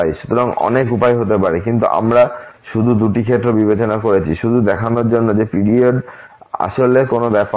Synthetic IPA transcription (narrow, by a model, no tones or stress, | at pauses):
jʃu̥t̪oɾaŋɔ̰nekupajɦot̪epaɾekint̪ṵʔa̰mɾaʃud̪ʱud̪uʈikʰet̪ːɾobibet͡ɕonakoɾet͡ɕʰiʃud̪ʱud̪ɛkʰanoɾd͡ʑonːod͡ʑepiɽioɖ | a̰ʃolekonobɛp